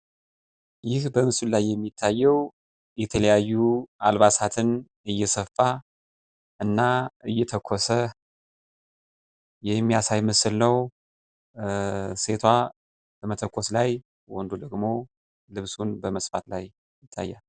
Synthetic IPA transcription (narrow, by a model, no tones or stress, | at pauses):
jɪhbəmɨsɨllajːɛmːit̪ʰːajːɛw | jɛt̪ʰələjajːualβasat̪ʰɨn | ɨjːɛsəfːa | ʔɨnːaɨjːɛt̪ʰəkʰːosə | jɛmːijasajmɨsɨlnəw | se̞t̪ʰwa | b̥əmət̪ʰəkʰːoslaj | wɔnd̪od̪əɡmo̞ | lɨβsunbəməsfat̪lajː | ɪt̪ʰːa̰jːa